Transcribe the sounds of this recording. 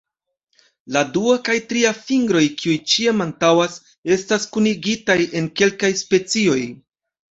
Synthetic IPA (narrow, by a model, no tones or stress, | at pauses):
laduakajtɾiafiŋɡɾo̞jkiujt͡ʃiamantawas | e̞staskuniɡitaje̞nke̞lkajspe̞t͡sio̞j